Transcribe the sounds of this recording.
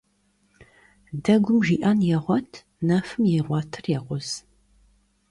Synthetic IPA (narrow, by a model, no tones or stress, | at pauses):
dɐɡʷʊmʒiːʔaːnjɛʁʷɔtʰ | nafɨmjɛʁʷɔtʰɨrjɛʁʷʊz̥